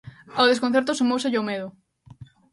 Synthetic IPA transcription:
awðeskõn̟θeɾt̪ʊsumowseʎomeðʊ

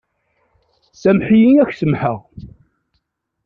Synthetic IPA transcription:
sæmħijiæçsəmħəʁ

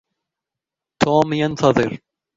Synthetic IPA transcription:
t̪ʰɔːmjɛnθaðɪɾ

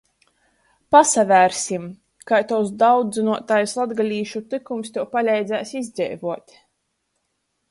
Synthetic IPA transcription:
pasavʲæːɾsʲim | kajt̪awsd̪awd̪zɨnuɔt̪ajslˠad̪ɡalʲiːʃut̪ɨkumst̪ʲɛwpalʲɛjd̪zʲæːsʲizd̪zʲɛ̰jvuɔt̪ʲ

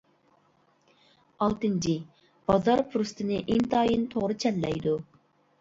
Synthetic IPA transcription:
ɑlˠt̪ɨnt͡ʃʰi | b̥ɑzɑɾpʰuɾust̪ʰɨnɪʔint̪ʰɑːjɨnt̪ʰoʁɾɨt͡ʃʰɛlːɛ̰jd̪u

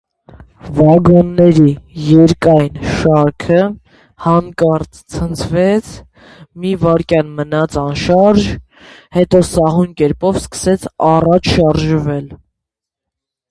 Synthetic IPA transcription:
vɑɡɔnːɛɾijɛɾkɑjnʃɑɾkʰə | hɑnkɑɾt͡st͡sʰənt͡sʰvɛt͡sʰ | mivɑɾkjɑnmənɑt͡sʰɑnʃɑɾʒ | hɛt̪ɔsɑɦunkɛɾpɔvskə̥sɛt͡sʰɑrɑt͡ʃʰʃɑɾʒvɛl

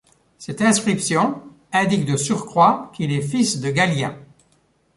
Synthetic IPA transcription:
sɛt̪ɛ̃skχipsjɔ̃ | ɛ̃d̪ik̚d̪əsyʁkχwakilɛfisd̪əɡaljɛ̰̃

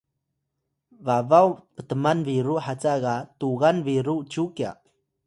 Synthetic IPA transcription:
vavawpət̪əmanviɾuʔħat͡sakatuɣanviɾut͡ʃukia̰

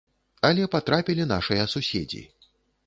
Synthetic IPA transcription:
ɐlʲɛpat̪ɾapʲilʲinaʂɨjɐsusʲḛd͡zʲḭ

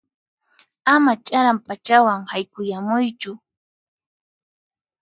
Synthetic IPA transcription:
amat͡ʃʼaɾampat͡ʃawaŋhajkʊjamʊjt͡ʃʊ

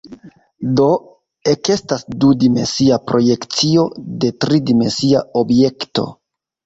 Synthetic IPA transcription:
do̞ | e̞ke̞stasdudime̞̰nsiapɾo̞je̞kt͡sio̞de̞tɾidime̞nsiao̞bje̞kto̞̰

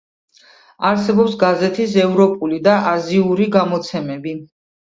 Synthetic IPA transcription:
aɾsɛbɔpsɡazɛt̪ʰis̬ɛvɾɔpʼulid̪aʔaziuɾiɡamɔt̪sʰɛmɛbi

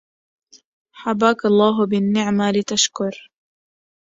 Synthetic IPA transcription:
ħabaːkalˤːɑːɦʊbɪnːɪʕmalɪt̪aʃkʊɾ

